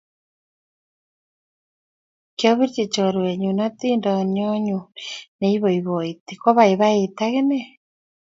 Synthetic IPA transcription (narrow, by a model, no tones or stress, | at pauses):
kjoβiɾt͡ʃit͡ʃoɾweɲunat̪indɔɲɔɲuneiβoiβoit̪ikɔβaiβaet̪aɣene